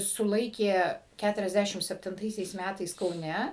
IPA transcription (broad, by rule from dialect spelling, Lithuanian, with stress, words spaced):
sʊˈlˠɐɪkʲeː ˌkʲætʊrʲɛzʲˈdʲæʃʲɪm sʲɛpʲtʲɪnˈtɐɪsʲɛɪs ˈmʲætɐɪs kɐʊˈnʲɛ